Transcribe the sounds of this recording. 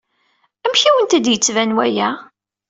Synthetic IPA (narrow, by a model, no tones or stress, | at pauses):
æmçiwənt̪æd̪jət͡sːvænwæjæ